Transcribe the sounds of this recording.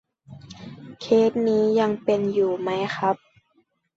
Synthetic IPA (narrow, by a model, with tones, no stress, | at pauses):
kʰeː˦˥t̪̚niː˦˥ja˧ŋpe˨njuː˨˩ma˦˥jxʰa˦˥p̚